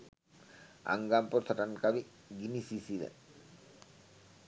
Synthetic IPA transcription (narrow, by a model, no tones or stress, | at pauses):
a̰ŋɡampot̪ʰɔʈankabi | ɡinisisilḛn